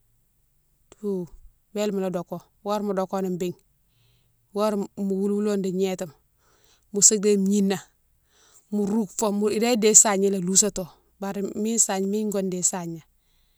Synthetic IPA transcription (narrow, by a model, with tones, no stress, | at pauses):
tʰu˦ | we˦lmu˨lo˨do˨ko˨ | wo˦ɾmu˨do˨ko˦ni˨mbi˦ŋ | wo˦ɾmu˨wu˦lwu˦lo˦ndi˨ɲe˦ta˨m | mu˨se˦ɡ̚de˦m˨ɲi˦nːa˨ | mu˨ɾu˦kfo˦˨mu˨i˨de˦de˦sa˨ɲi˦la˨lu˦s̬a˦to˨ | baɾi˦mi˦nsa˨ɲmi˦ɲɡo˦nde˨sa˨ɲa˨